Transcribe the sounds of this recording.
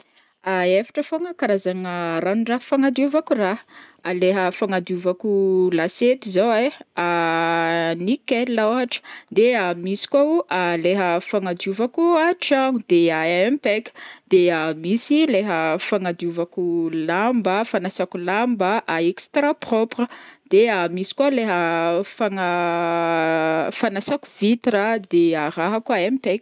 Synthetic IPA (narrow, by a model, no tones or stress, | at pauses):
aefḁʈ͡ʂəfoŋəkaɾazaŋəɾanuɳɖ͡ʐaɦfaŋad̪iuvakuraaleɦəfaŋad̪uvakulaset̪izowea | nikelaoaʈ͡ʂə̥d̪eamisi̥kaaleɦəfaŋad̪uvakuaʈ͡ʂaŋd̪eaɛempɛkd̪̥eəmisileɦəfaŋad̪juvakulambəfanasakulambəʔaekst̪raproprəd̪̥eamisi̥kwaleɦəfaŋə | fanasaku̥vit̪rəd̪eaɾaɦakuaɛmpɛkʲ